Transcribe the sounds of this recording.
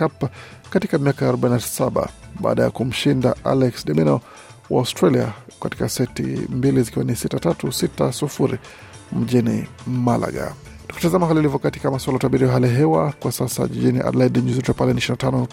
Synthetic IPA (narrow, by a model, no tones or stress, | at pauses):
kap | katikamiakajaɾɔɓainasaɓa̰ɓa̰ːɗaja̰kum̩ʃinda̰ʔa̰lɛksɗɛmɛnɔ | wa̰ustɾalia̰kati̥kasɛtḭmbilizikiwanisitatatusitasufuɾi | m̩ʄinḭmala̰ɡa̰ | tuki̥tazamaɦalilivɔkati̥kamaswalataɓiɾijaɦaliɦɛwakwasasa̰ʄiʄiniʔa̰dlaiɗiɲuzitɛpalɛniʃinatanɔ